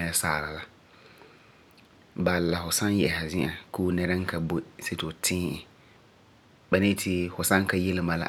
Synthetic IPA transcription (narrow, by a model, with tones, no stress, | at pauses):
ɛ˦saː˦˨la˨la˦ | ba˨lːa˨fʊ˨sã˦njɛ˨ha˨zɪ̃˦ʔa˨kuː˦nɛ˦ɾa˦ŋ̩˦kʰa˨bo˦˨se˦to˨tʰɪ̃ː˦ɪ˨ | ba˨ne˦tʰɪ˦fʊ˨sã˦ŋ˦ka˦je˦lɪ˦ma˨la̰˨